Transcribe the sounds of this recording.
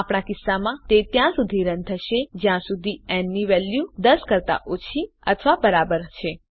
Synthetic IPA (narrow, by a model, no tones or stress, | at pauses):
apɳ̃akɪsːamãt̪et̪jãsud̪ʱiɾə̃nt̪ʰəʃed͡ʒjãsud̪ʱiɛnːiʋɛljud̪əskəɾt̪a̰ʔot͡ʃʰi | ə̰t̪ʰʋabəɾabəɾt͡ʃʰe